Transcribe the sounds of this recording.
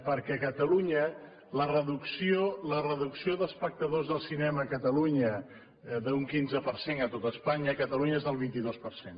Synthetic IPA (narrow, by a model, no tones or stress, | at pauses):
pəɾkɛkət̪əluɲə | lərəðuksiolərəðuksioðəlˠspək̚t̪əðozðəlˠsinɛməːkət̪əluɲə | ðəuŋkinzəpəɾsenət̪ot̪əːspaɲəkət̪əluɲəezðəlˠβ̞int̪iðospəɾsen